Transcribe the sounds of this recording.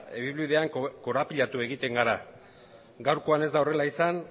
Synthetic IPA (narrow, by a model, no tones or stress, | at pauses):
eβiβlβið̞e̞aŋko̞ɾapiʎat̪ue̞ɣit̪e̞ŋɡaɾa | ɡawɾko̞ane̞zd̪ao̞re̞laisan